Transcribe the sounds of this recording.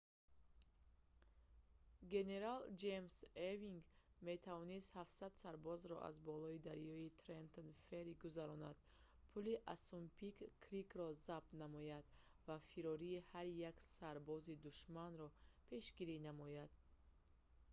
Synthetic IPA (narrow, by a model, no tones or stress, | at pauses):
ɡe̞ne̞ɾald͡ʒe̞mseviŋɡ | me̞t̪ʰavɔnist̪hafsad̪saɾbɔzɾɔ̰ʔa̰zbɔlɔid̪aɾjɔit̪ʰɾent̪ʰonfeɾiɡuzaɾɔna̰d̪̥ | pʰuliʔasumpʰikːʰɾikɾɔzab̥̚t̪namɔjad̪vafiɾɔɾiːhaɾjaksaɾbɔzid̪uʃmanɾɔpʰe̞ʃɡiɾinamɔjad̪̥̚